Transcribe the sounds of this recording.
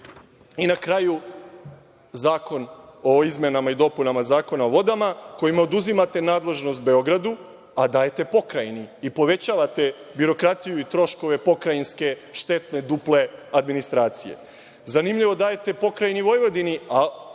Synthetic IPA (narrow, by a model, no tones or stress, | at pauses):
inakɾaju | zaːko̞no̞izme̞namaid̪o̞punamazaːko̞naoʋo̞d̪amako̞jimaod̪uzimat̪e̞naːd̪le̞ʒno̞st̪̚be̞o̞ɡɾad̪u | ad̪aːjet̪e̞po̞kɾajniipo̞ʋe̞t͡ɕaːʋat̪e̞biɾo̞kɾat̪ijuit̪ɾo̞ʃko̞ʋe̞po̞kɾajinske̞ʃt̪e̞t̪ne̞d̪uple̞ad̪minist̪ɾaːt̪sije̞̰ | zanimʎiʋo̞d̪aːjet̪e̞po̞kɾajniʋo̞jʋo̞d̪inia